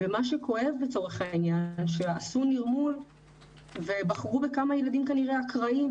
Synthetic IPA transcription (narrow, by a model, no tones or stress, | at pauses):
emaʃekʰo̞e̞vbet͡so̞ʁeχhainjanʃeasuniʁmul | ve̞baχʁubekamajelad̪imkaniʁeakʁaim